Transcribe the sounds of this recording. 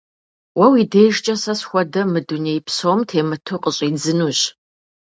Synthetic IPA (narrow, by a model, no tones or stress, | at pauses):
wɐwideːʒt͡ʃʼɐsɐsxʷɔdɐmɨduneːjpsowmtʰeːmɨtʰɨqʼəɕʼiːd͡zɨnuːɕ